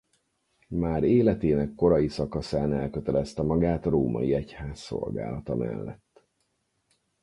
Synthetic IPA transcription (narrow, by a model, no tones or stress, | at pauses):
maːɾeːlɛt̪eːnɛkːo̞ɾɒjisɒkɒsaːnɛlkøt̪ɛlɛst̪ɛmɒɡaːt̪roːmɒ̰jiɛchaːsːo̞̰lɡa̰ːlɒt̪ɒmʔɛ̰lːɛ̰t̪ː